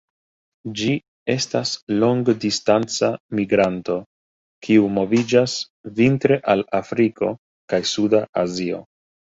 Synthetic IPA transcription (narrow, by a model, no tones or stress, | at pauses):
d͡ʒi | e̞staslo̞ŋɡdistant͡samiɡɾanto̞ | kʰiumo̞vid͡ʒas | vintɾe̞ʔalafɾiko̞ | kajsudaʔazio̞̰